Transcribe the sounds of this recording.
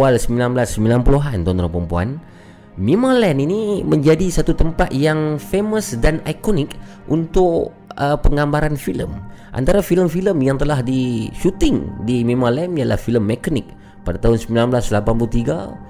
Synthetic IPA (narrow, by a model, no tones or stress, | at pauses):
walsəmbilanbəlasːəmbilanpuluɦant̪ɔnt̪əɾəpɾəmpua̰n | mimalɛniniməɲd͡ʒadisat̪ut̪əmpat̪̚jaŋfeməsdanajkonɪk | ʔunt̪ʊk | əpəŋɡambaɾanfilə̰m | ʔa̰nt̪aɾafiləmfiləmjaŋt̪əlahdiʃut̪ɪŋdimimalɛniala̰hfiləmːekanɪk̚ | padat̪aɦʊnsəmbilanblaslapanpulut̪iɡa̰